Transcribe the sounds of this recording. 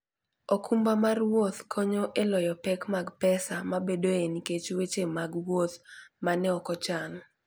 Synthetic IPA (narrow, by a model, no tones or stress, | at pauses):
okʰumbamarwot̪kʰɔɲoʔelɔjɔpɛkmaɡpɛsamabedoeniket͡ʃwet͡ʃemaɡwot̪manɛɔkɔt͡ʃanɔ